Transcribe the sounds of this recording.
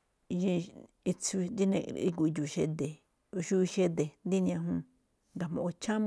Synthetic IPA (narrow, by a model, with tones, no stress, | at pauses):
ʒĩ˧ | i˧t͡su˧nd̪i˦nḛ̃˧ḭ˧ku˧i˧d͡ʒu˨ʃe˧d̪e˨˧ | ʃu˦i˧ʃe˧d̪e˨nd̪i˦nĩ˧ã˧ɦũ˧ | ŋɡa˨mõ̰˧˨o˧t͡ʃʰã˦m˧